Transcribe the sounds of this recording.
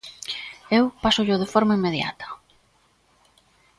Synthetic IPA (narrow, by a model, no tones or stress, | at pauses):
ewpasʊʎʊðefoɾmaimːeðja̰t̪ɐ̥